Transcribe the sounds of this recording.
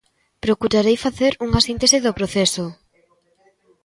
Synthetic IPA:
pɾokuɾaɾejfaθeɾuŋasint̪esɪðopɾoθeso

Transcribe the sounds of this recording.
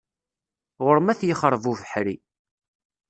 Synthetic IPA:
ʁʊɾmæθjəχəɾˤvuvəħɾi

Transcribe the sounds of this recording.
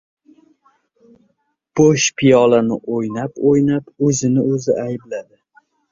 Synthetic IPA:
b̥oʃpʰijɒlanɪʔojnapojnapɵzɪnɪɵzɪʔajɪblad̪ɪ

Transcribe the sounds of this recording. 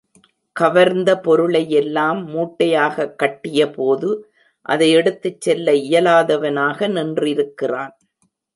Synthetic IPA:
kɐʋɐɾnd̪ɐpɔɾɯɭɐjɛlːaːmːuːʈːɐjaːɣɐkːɐʈːɪjɐpoːðɯ | ʔɐ̰ðɐɪɛɽɯt̪ːɯt͡ʃːɛlːɐɪjɐlaːðɐʋɐnaːɣɐnɪndrɪɾɯkːɪraːn

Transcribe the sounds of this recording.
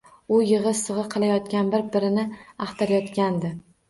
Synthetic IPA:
ʊjɨʁɨsɨʁɨqʰɨlˠajɒt̪kʲanbɪɾbɪɾɪnɪɑχt̪ʰaɾajɒt̪kʲand̪ɪ

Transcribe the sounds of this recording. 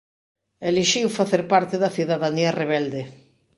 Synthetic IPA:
eliʃiwfaθeɾpaɾt̪eðɐθiðaðaniɐreβɛld̪e

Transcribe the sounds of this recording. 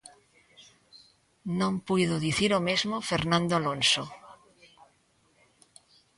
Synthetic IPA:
nõmpujðoðiθiɾomezmofeɾnãnd̪oalonso

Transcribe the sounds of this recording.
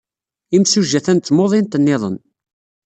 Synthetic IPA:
imsuʒːæθænt̪ːmoðˤint̪ənːeðˤə̰n

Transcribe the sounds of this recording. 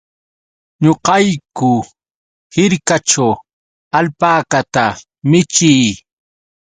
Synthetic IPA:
ɲoqɑjkʊ | hɪɾkat͡ʃaw | alpaːkat̪a | mɪt͡ʃɪj

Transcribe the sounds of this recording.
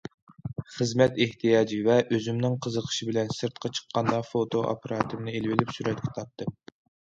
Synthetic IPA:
χəzmɛt̪eht̪ʰijɑːd͡ʒivɛʔøzymnɪŋqʰəzəqʰə̥ʃɪbɪlɛnsɨɾt̪̚qʰɑt͡ʃʰə̥qːɑnd̪ɑfot̪ʰoʔɑ̰pʰeɾʔɑːt̪ʰɨmnɨelvɪlɪpsyɾɛt̪̚kʲʰɛ̥t̪ʰɑp̚t̪ʰːɨm

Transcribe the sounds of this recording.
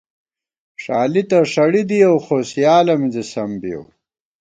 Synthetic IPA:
ʂaːlit̪ɐʂɐɽid̪iɐwxoːsjaːlɐmzisɐmbijo̰w

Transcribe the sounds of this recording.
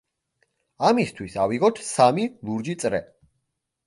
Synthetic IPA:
amist̪ʰwisaviɣɔt̪ʰsamilˠuɾd͡ʒit̪sʼɾɛ̰

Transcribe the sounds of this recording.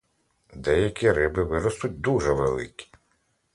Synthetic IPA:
d̪ɛjɐkʲiɾɪbɪʋɪɾɔst̪ʊt̚ʲd̪uʒɛʋelˠɪ̰kʲi̥

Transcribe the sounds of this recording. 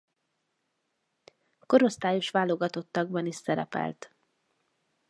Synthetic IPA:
ko̞ɾo̞st̪aːjoʃʋaːlo̞ɡɒt̪o̞t̪ːɒɡ̚bɒniʃsɛɾɛ̰pɛ̰lt̪

